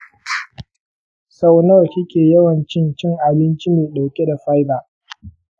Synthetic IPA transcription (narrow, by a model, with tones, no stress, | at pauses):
sa˦wnɐ˦wkʲɪ˦kʲʼeː˨jɐ˦wɐ˨nt͡ʃɪ˦nt͡ʃɪ˦˨ŋʔa˨bɪ˦nt͡ʃi˦meː˨ɗa˨wkʲʼe˦da˨ɸa˦jba˦ʔ